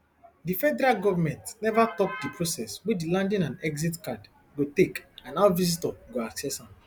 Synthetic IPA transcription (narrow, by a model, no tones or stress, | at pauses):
difɛdɛɾalɡɔvamɛ̃ntnɛvatɔp̚dipʰɹosɛswɛdilãndĩnãnɛɡzitkad | ɡotekãnawvizitɔɡoaksɛsãm